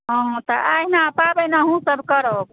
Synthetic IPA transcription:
ɦɔ̃ɦt̪əʔainapabənaɦũsəbʱkəɾəoɡ

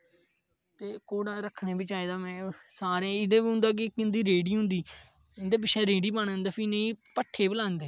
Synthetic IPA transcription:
t̪eːkoːɽãːɾəkʰneːbɪt͡ʃaːeːd̪aːmɛ̃ːsaːɾẽːɪd̪eːbiːɦʊ̃nd̪aːk̬ɪkːɪnd̪iːɾeːɖiːɦʊ̃nd̪iː | ɪnd̪eːp̬ɪt͡ʃʰɛ̃ːɾeːɖiːbanə̃nd̪aːpʰineĩːpəʈʰːeːbəlãːnd̪eː

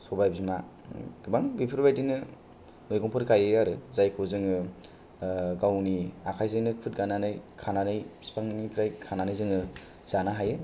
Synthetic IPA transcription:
sɔbajbima | ɡ̥ɯbaŋbipʰɯɾbajdinɯ | mɯjɡɔŋpʰɔɾkʰajɯaɾɯzajkʰɯwzɯŋɯ | ɡawniakʰajzɯjnɯkʰɯt̚ɡananɯjkʰananɯjsi̥pʰaŋnipʰiɾajkʰananɯjzɯŋɯ | z̥anaɦajɯ

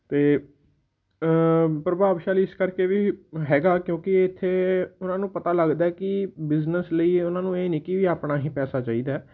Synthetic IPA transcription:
t̪eː | pɾəbaːʋʃaːliːɪskəɾkeːʋiːɦɛːɡaːkjõːkɪɪt̪ʰːeːʊnãːnũːpət̪aːləɡd̪aɛːkɪbɪznəsləiːʊnãːnũːeːnɪkiːʋiːaːpnaːɦĩːpɛːsaːt͡ʃaːiːd̪aːɛ

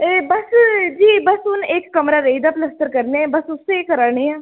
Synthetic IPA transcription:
ebəsd͡ʒiːbɐsʊneːkːɐmɾaɾəɦid̪aːpləst̪əɾkəɾnebɐsʊsːekəɾaːɳeaː

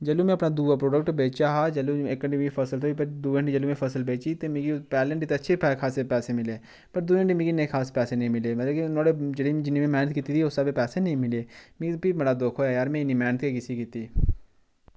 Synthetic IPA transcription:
d͡ʒəlumẽɐpnad̪uːapɾoːɖək̚ʈbeːt͡ʃaːɦaːd͡ʒəlũeːkːəɳʈimipʰəsəlt̪oːipəɾd̪uːə̃ɳɖid͡ʒəluːmẽpʰəsəlbeːt͡ʃit̪emĩɡipɛːləɳʈit̪eɐtːʃʰepɛːkʰaːsepɛːsemɪleː | pəɾd̪uːəɳɖimĩɡinekʰaːspɛːsenəĩːmɪleːmɐt̪ləkinoːɽed͡ʒəɽĩd͡ʒɪnimẽmɛːnət̪kiːt̪it̪ʰiʊsabepɛːsenəĩːmɪleːmpimeɽaːd̪oːkʰoːɛjaːɾmɛ̃ːɪnimɛːnət̪kekɪsikiːt̪iː

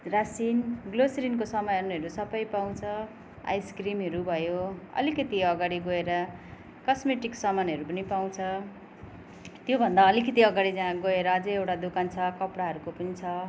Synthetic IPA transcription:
rasinɡlosɾinkosʌmʌjʌneɦʌɾusʌbʌjpaw̃t͡sʰʌ | a̰jskrimɦʌɾubʱʌjoʌ̰likʌt̪iʌɡaɽiɡoeɾʌ | kʌsmeʈiksʌmʌnɦʌɾupʌnipaw̃t͡sʰʌ | t̪jobʱʌnd̪aʌlikʌt̪iʌɡaɽid͡zaãɡoeɾʌːd͡zʌjewʈad̪ukant͡sʰʌkʌpɽaɦʌɾukopʌnit͡sʰʌ

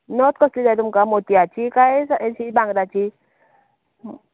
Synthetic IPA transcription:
nɔt̪̚koslidat̪umkamot̪iat͡ʃikaesaesibaŋɡdat͡ʃi

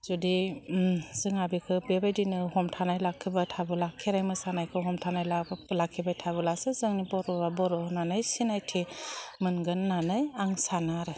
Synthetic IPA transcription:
zudi | zɯŋabikʰɯbebajdinɯhɔmtʰanajlakʰːibatʰabɯlakʰːeɾajmɯsanajkʰɯɦɔmtʰanajlablakʰːibajtʰabɯlasɯzɯŋnibɔɾɔbabɔɾɔnanɯjsinajtʰimɯnɡɯnːanɯjaŋsanaɾɯ

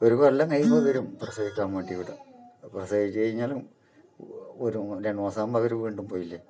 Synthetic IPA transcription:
oɾukoɐlːɐŋɐjmɐðʋɐɾumprɐsɐɣikʲːaːmʋeːɳɖiʋiʈːɨprɐsɐɣikʲːɐjiɲːaːlum | oɾuɾeɳmoːsaːmːɐʋɐɾuʋiːɳɖumpoːjilːɐ

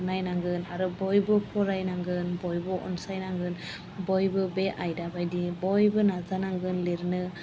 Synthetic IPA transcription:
najnaŋɡɯnaɾɯbɔjbɯpʰɔɾajnaŋɡɯnbɔjbɯʔɔ̰nsajnaŋɡɯn | bɔjbɯbeʔajdabajdibɔjbɯnazanaŋɡɯnliɾnɯ

